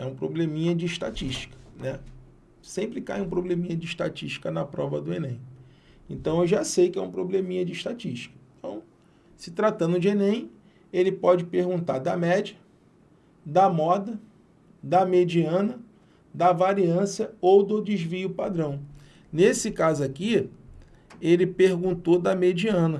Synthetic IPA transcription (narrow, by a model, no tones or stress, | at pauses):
ɛ̰ũpɾoblẽmĩɲɐd͡ʒɪiʃt̪a̰t͡ʃiʃt͡ʃi̥kɐ̥nɛ | sẽmpɾɪka̰jũpɾoblẽmĩɲɐd͡ʒɪːʃt̪at͡ʃiʃt͡ʃi̥kɐnɐpɾɔvɐd̪ʊenẽj̃ | ẽnt̪ɐ̃w̃ewʒasejkɪɛũpɾoblẽmĩɲɐd͡ʒɪiʃt̪at͡ʃiʃt͡ʃi̥kɐẽnt̪ɐ̃w̃ | sɪt̪ɾat̪ɐ̃d̪ʊd͡ʒenẽj̃ | elɪpɔd͡ʒɪpehɡũnt̪aɾd̪ɐmɛd͡ʒiɐ | d̪ɐmɔd̪ɐ | d̪ɐmed͡ʒiɐ̃nɐ | d̪ɐvaɾiɐ̃sjɐowd̪ʊd͡ʒizviʊpad̪ɾɐ̃w̃ | nesɪkazʊaki | elɪpehɡũnt̪od̪ɐmed͡ʒiɐ̃nɐ